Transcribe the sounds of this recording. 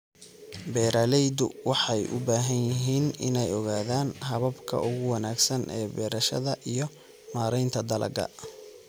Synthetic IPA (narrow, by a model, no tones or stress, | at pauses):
bɛːɾalɛjd̪ʊwɑħɑjʔʊ̰baːɦɐnjɪɦiːnɪnɛjɔɣaːðaːnɦɐβɐbkʰɐ̰ʔʊɣʊwɑnaːɡsɐnʔɛːbɛːɾɐʃɐ̰ðɐʔijɞ | maːɾɛjnt̪ʰɐd̪ɐlɐ̰ɡɐ̰